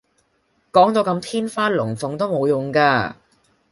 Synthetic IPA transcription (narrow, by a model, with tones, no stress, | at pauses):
kɔː˨˥ŋt̪o˨˧wkɐ˧mt̪ʰiː˥nfaː˥lʊ˨˩ŋfʊ˨ŋt̪o˥wmo˨˧wjʊ˨˩ŋkaː˧